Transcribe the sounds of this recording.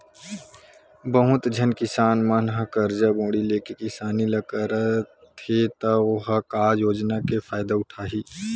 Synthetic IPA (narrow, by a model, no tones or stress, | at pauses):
bəɦʊ̃t̪d͡ʒʱənkɪsaːnmɐnɦɐkəɾd͡ʒabõːɽileːkekɪsaːnilɐkəɾə | t̪ʰet̪ɐoɦəkaːjoːd͡ʒnakefʰaːjɪd̪aʊʈʰaːɦiː